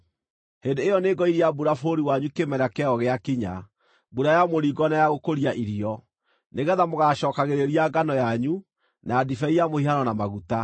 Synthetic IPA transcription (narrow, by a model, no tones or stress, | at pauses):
hendeːjɔneɡɔiɾiabuɾafoɾiwaɲukemɛɾakɛɔɣeakiɲa | buɾajamoɾiɡɔnajaɣokoɾiaʔiɾiɔ | neɣɛðamoɣaɕɔːkaɣeɾeɾiaɡanɔjaɲu | naːdifɛiamohihanɔnamaɣuta